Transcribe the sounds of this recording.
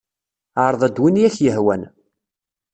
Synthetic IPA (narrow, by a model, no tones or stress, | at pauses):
aɾˤðˤæd̪winjæçjəhwæn